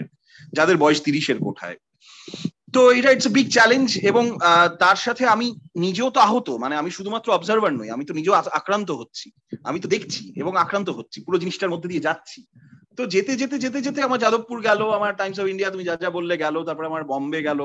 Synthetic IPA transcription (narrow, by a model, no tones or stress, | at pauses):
d͡ʑad̪eɾbɔeʃt̪iɾiʃeɾko̰ʈʰa̰e | t̪oeʈaiʈsobiɡ̚t͡ɕɛlend͡ʑeboŋt̪aɾʃat̪ʰeaminid͡ʑeot̪oaɦot̪omaneamiʃud̪ʱumat̪ːɾoɔbzaɾbaɾnoja̰mit̪onid͡ʑeoaakɾant̪̬oɦotːɕʰi | a̰mit̪̬od̪ekʰt͡ɕʰiḛboŋakɾant̪̬oɦotːɕʰipuɾod͡ʑiniʃʈaɾmod̪ʱːed̪ied͡ʑatːɕʰi | t̪od͡ʑet̪ed͡ʑet̪̬ed͡ʑet̪̬ed͡ʑet̪̬eamaɾd͡ʑad̪opːuɾɡɛloamaɾʈajms̬ɔbiɳɖijat̪umid͡ʑad͡ʑabolːeɡɛlot̪aɾpɔɾeamaɾbɔmbeɡɛlo